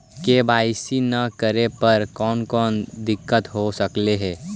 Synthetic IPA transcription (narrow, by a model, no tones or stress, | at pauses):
kebaːɪsinɐkəɾepɐɾkɔːnkɔːnd̪ɪkːət̪ɦosɐkleɦɛː